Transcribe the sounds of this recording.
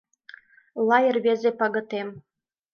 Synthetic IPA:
lˠɑjə̆rβezepɑɣɤ̆t̪em

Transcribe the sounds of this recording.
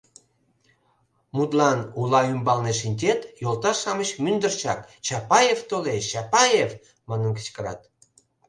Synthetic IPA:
mut̪lɑnulɑymbɑlneʃ̬inʲtʲet̪jolt̪ɑʃɑməɕmynd̪ərt͡ɕɑkt͡ɕɑpɑjevt̪olet͡ɕɑpɑjev | mɑnənkə̥t͡ɕkəɾɑ̰t̪

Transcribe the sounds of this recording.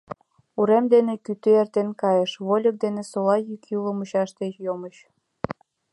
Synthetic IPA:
uɾemd̪enekyt̪øert̪enkɑjəʃβolʲək̚d̪enesolɑjykuləmuɕɑʃt̪et͡ɕjoməɕ

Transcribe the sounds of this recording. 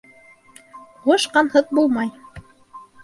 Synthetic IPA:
ʁoʃqɑnhɤð̚bulˠmɑj

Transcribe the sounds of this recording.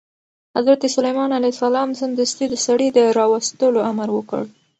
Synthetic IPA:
hazɾat̪isalajmɑnalasalɑmzɪnd̪ust̪id̪əsaɽid̪əɾɑwast̪əloamaɾwəkə̰ɽ

